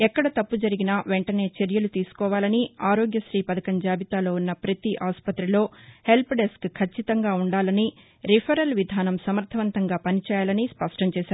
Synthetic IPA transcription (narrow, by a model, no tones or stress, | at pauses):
ɛkːɐɽɐt̪ɐpːud͡ʒɐɾiɡinɐʋeɳʈɐne̞ːt͡ʃeɾjɐlut̪iːsu̥kɔːʋaːlɐniaːɾo̞ːɡjɐʃɾiːpɐd̪ɐkɐɲd͡ʒaːbit̪aːlo̞ːunːɐpɾɐt̪iʔaːspɐt̪ɾilo̞ːhe̞lpɖeskkʰːɐt͡ʃːit̪ɐŋɡaːuɳɖaːlɐni | ɾipʰɐɾɐlʋid̪ʱaːnɐmsɐmɐɾt̪ʰɐʋɐnt̪ɐŋɡaːpɐnit͡ʃɛːjaːlɐnispɐʂʈɐmt͡ʃɛːsaːɾu